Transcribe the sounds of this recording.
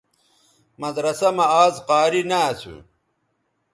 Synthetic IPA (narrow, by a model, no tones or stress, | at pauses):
mɐd̪ɾɐsɐmɐaːzqaːɾinaːsʰṵ